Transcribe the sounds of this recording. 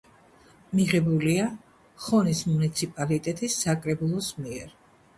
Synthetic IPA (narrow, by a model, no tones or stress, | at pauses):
miʁɛbulia | χɔnismunit̪sʰipʼalit̪ʼɛt̪ʼisːakʼɾɛbulˠɔsmiɛɾ